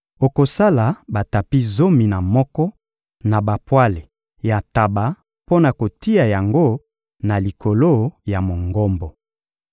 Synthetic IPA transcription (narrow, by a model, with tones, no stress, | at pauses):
o˨ko˨sa˦la˨ba˨ta˨pi˦zo˦mi˨na˨mɔ˦kɔ˦ | na˨ba˨pwa˦le˨ | ja˨ta˨ba˨ | po˦na˨ko˨ti˦a˨ja˨ŋɡo˦ | na˨li˨kʰo˨lo˦ja˨mo˨ŋɡɔ˦mbɔ˨